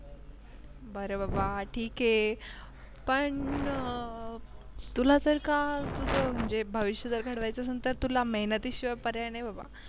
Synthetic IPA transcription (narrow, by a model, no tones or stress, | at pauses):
bəɾəbabaʈʰiːke | pəɳ | t̪ulat̪əɾkat̪ut̪əm̤əɳd͡zebʱəʋiɕjəd̪əɾɡʱəɽʋajt͡sasənt̪əɾt̪ulaməɦnət̪iːɕiʋəpəɾjanebaba̰